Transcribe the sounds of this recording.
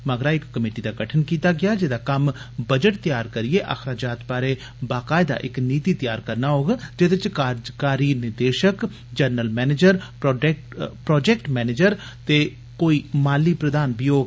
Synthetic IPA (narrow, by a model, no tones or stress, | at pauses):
məɡɾaːɪkːəmeːʈiːd̪aːɡəʈʰənkiːt̪aːɡɪjaːd͡ʒed̪aːkəm | bəd͡ʒəʈ̚t̪ɪjaːɾkəɾɪeːʔə̰xʰɾaːd͡ʒaːt̪baːɾeː | baːkaːɪd̪a̰ːʔɪkniːt̪iːt̪ɪjaːɾkəɾnaːɦoːɡːd͡ʒed̪ɪt͡ʃkaːd͡ʒkaːɾiːnɪɾd̪eːʃək | d͡ʒəɾnəlmɛːneːd͡ʒəɾpː | pɾɔːd͡ʒɛːkʈmɛːneːd͡ʒəɾ | t̪eː | koːiːmaːliːpɾəd̪aːnbiːɦoːɡ